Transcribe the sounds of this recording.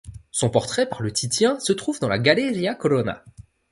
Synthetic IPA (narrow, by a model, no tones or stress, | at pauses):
sɔ̃pɔʁt̪χɛpaʁlət̪ʰit̪jɛ̃sət̪χuvd̪ɑ̃laɡaleʁjakɔlɔna̰